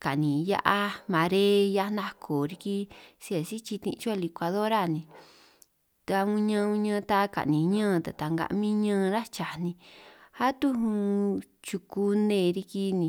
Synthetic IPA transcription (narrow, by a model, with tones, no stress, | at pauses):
ka˨ʔnĩ˨ja̰˦ʔa˦mã˧ɾe˦ja˦˧na˦kʰo˨ɾi˧ki˧si˧a˨si˦t͡ʃi˧t̪ḭ̃˧t͡ʃu˦a˦˧li˧kʷa˧ðo˦ɾa˦˨nĩ˧ | t̪a˧ũ˧ɲã˧ũ˧ɲãː˧t̪a˧ka̰˨ʔnĩ˨ɲãː˦˧t̪a˨t̪a˧ŋɡa̰˧ʔmĩ˦ɲãː˧˦˧ɾa˦t͡ʃa˨nĩ˧ha˦t̪u˦ɦũ˧t͡ʃu˧ku˧nẽː˧˨˧ɾi˧ki˧nĩ˧